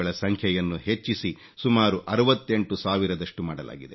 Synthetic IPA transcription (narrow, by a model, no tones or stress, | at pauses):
ɐɭɐsɐŋkʰjɐjɐnːuɦe̞t͡ʃːisi | sumaːɾuʔɐɾɐʋɐt̪ːe̞ɳʈusaːʋiɾɐd̪ɐʂʈumaːɽɐla̰ːɡid̪e